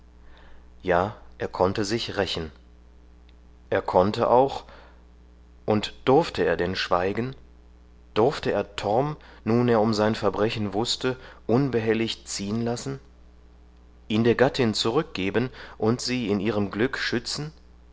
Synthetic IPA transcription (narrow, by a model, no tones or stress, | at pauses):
jaːʔeːɐkʰɔntəzɪçʁɛçn̩ | ʔeːɐkʰɔntəʔa̰ʊx | ʔʊntd̥ʊɐftəeːɐdɛnʃv̥aɪɡn̩ | d̥ʊɐftəeːɐtʰɔʁm | nuːneːɐʊmzaɪnfɛɐbʁɛçn̩vʊstəʔʊnbəɦɛlɪçt͡siːənlasn̩ | ʔiːndeːɐɡatʰɪnt͡suʁʏk̚ɡ̥eːbənʔʊntz̥iːɪnʔiːʁəmɡlʏkʃʏt͡sn̩